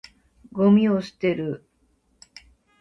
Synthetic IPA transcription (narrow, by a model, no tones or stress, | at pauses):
ɡo̞mʲioɕi̥t̪e̞ɾɯ̟